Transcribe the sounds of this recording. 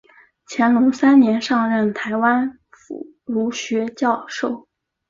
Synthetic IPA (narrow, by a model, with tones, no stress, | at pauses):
t͡ɕʰjɛ˧˥nlʊ˧˥ŋsa˥nnjɛ˧˥nʂɑ˥˧ŋɻə˥˩nt̪ʰa˧˥ɪwa˥n | fṵ˨˩ | lu˧˥ɕɥɛ˧˥t͡ɕjɑ˥˧ʊʂo˥˩ʊ